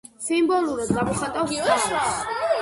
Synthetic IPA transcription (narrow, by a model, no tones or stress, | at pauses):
simbɔlˠuɾad̪ɡamɔχat̪ʼawsaʃɾa